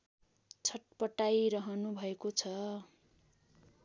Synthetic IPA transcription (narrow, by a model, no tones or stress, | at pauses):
t͡sʰʌʈ̚pʌʈajɾʌɦʌnubʱʌekot͡sʰʌ